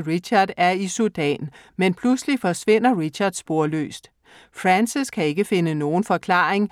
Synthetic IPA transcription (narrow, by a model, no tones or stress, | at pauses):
ʁiɕɑ̈d̥æɐisud̥ɛ̰ːnmenpʰluslifɒ̽sʋe̝n̰ɐʁiɕɑ̈d̥sb̥o̝ɐ̰lø̰ːsd̥ | fʁænsiskʰæe̝ɡ̥əfe̝nəno̝ːn̩fɒ̽kʰlɑ̰̈ːeŋ